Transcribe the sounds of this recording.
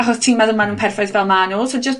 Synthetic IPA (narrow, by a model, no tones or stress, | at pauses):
aχɔstʰimaðəmanuːnpʰɛrfɔjðvɛlmanʊlˠsod͡ʒəs